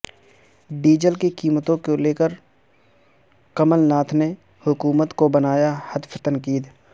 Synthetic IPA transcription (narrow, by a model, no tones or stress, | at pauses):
ɖiːd͡ʒəlkikiːmət̪õkoleːkəɾ | kəməlnaːt̪ʰne | hʊkuːmət̪kobɐnaːjahəd̪ft̪ə̃nkiːd̪